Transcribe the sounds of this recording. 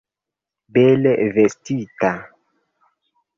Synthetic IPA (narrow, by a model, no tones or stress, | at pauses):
belevestita